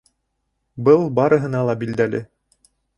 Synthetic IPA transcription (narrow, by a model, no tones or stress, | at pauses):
bɤlˠbɑɾɤ̆ɦɤ̆nɑlˠɑbild̪ælɘ